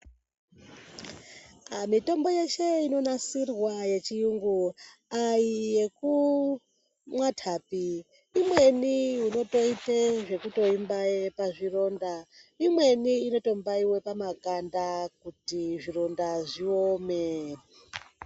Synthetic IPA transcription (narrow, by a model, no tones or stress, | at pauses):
mito̞mbo̞je̞ʃe̞ino̞nasirwaje̞t͡ʃijuŋɡuaije̞ku | mwatʰapi | imwe̞niuno̞to̞iteʐe̞kuto̞imbaepaʐiro̞ndaimwe̞niːno̞to̞mbaiwe̞pamakandakutiʐiro̞ndaʐiome